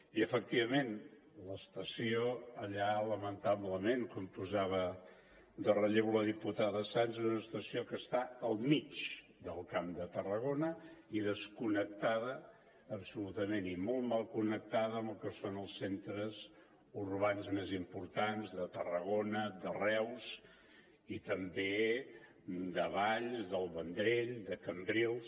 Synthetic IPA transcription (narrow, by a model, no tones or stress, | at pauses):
iəfək̚t̪iβəmen | ləst̪əsioəʎaləmənt̪aβləmeŋkumpuzaβə | d̪ərəʎeβuləðiput̪aðəəsanzɛzunəst̪əsiokəst̪aəlˠmit͡ʃ | d̪əlˠkamd̪ət̪ərəɣonəiðəskunək̚t̪aðəː | psulut̪əmenimɔlˠt̪malˠkunək̚t̪aðəəməlˠkəsonəlˠsːent̪ɾəz | uɾβanzmezimpuɾt̪anzðət̪ərəɣonəd̪ərɛws | it̪əmbe | d̪əβaʎzðəlˠβənd̪ɾeʎd̪əkəmbɾilˠs